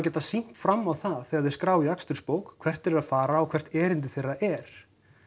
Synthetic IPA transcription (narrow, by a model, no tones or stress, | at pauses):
cɛːt̪asin̥t̪fɾamːawθaθɛːɣaðɪɾskɾaːwjakst̪ʏɾ̥spoːwkʰv̥ɛr̥t̪ɛɾɾaðfaːɾaːwkʰvɛr̥t̪ɛːɾɪnt̪̬ɪθejrːaʔɛɾ̥